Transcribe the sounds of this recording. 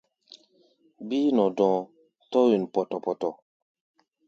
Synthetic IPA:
biː˦nɔ̃˨dɔ̃˨ | tɔ˦wi˨n˨pɔ˨tɔ˨pɔ˨tɔ˨

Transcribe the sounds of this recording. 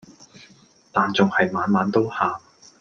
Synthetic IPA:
t̪aː˨nt͡sʊ˨ŋhɐ˨jmaː˨˧nmaː˨˧nt̪o˥whaː˨

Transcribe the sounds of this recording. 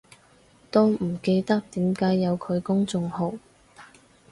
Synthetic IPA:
t̪oː˥m̩˨˩ke˧jt̪ɐ˥k̚t̪iː˨˥mkaː˨˥jːɐ˨˧wkʰɵ˨˧ɥkʊ˥ŋt͡sʊ˧ŋho˨w

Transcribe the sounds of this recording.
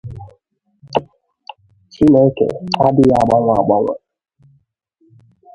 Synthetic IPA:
t͡ʃi˦ne˦kḛ˨a˦dɪ˦ja˦˨ɡ͡ba˦ŋʷa˦˨a̰˨ɡ͡ba˦ŋʷa̰˦

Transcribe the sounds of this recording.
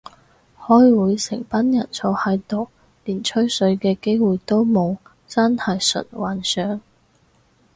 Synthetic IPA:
hɔː˥jwuː˨˧jsɪ̰˨˩ŋpɐ˥njɐ˨˩nsʰɔː˨˧whɐ˨˧jt̪o˨w | liː˨˩nt͡ʃʰɵ˥ɥsɵ˨˥ɥkɛː˧ke˥jwuː˨˩jt̪o˥wmo˨˧w | t͡sɐ˥nhɐ˨˧jsɵ̰˨t̚waː˨˩nsœː˨˥ŋ

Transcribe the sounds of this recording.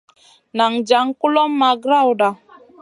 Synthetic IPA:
na˨ŋ̩˨d͡ʒa˨˦ŋ̩˦ku˦lɔ˦m̩˦ma˨ɡɾa˦wda˨

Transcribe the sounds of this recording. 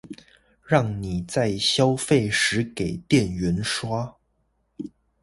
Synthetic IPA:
ɻɑ˥˩ŋni˨˩t͡sa˥˩ɪɕjɑ˥ʊfe˥˩ɪʂɻ̩˧˥ke˨˩ɪt̪jɛ˥˨nɥɛ˧˥nʂwa˥

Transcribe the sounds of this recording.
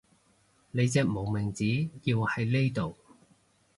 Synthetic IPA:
ne˨˧jt͡sɛː˧k̚mo˨˩wmɪ˨˩ŋt͡siː˨˥ji˧whɐ˨jle˥jt̪o˨w

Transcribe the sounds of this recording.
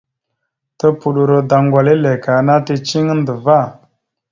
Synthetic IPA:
tə˦pu˨ɗu˨ɾo˨da˨ŋɡwa˨le˦le˨ka˨na˦tə˨t͡ʃi˦ŋə˦n˦də˨va˦˨

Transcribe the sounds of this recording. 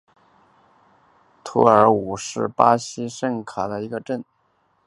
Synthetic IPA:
t̪ʰṵ˧˥ə˞˧˥u˨˩ʂɻ̩˥˩pa˥ɕi˥ʂə˥˩ŋkʰa˨˩d̪ə˦˧i˧˥ɡə˧ʈ͡ʂə˥˩n

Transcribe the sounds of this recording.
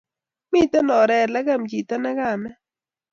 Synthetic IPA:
mi˦t̪a˦nɔ˨ɾɛ˨ɾla˦ɡa˦˨md͡ʒi˨t̪a˦na˦ɡa˦˨mɛ˦

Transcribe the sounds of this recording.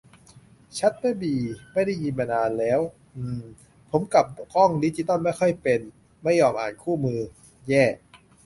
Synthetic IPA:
t͡ɕʰa˦˥t̪̚pa˥˩biː˨˩ma˥˩jda˥˩jɲi˧nma˧naː˧nlɛː˦˥w | ʔɯː˧˩ | pʰo˩˦mka˨˩p̚kɔ˥˩ŋdiː˦˥t͡ɕi˧t̪a˥˩ma˥˩jxʰɔ˥˩jpe˧n | ma˥˩jːɔː˧mʔa̰ː˨˩nkʰuː˥˩mɯː˧ | jɛː˥˩

